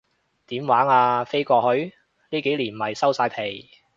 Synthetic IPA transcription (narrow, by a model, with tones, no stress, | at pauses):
t̪iː˨˥mwaː˨˥ŋaː˧fe˥jkɔː˧hɵ˨˥ɥ | niː˥ke˨˥jliː˨˩n̩˨˩hɐ˨˩jsɐ˥wsaː˧jpʰe˨˩j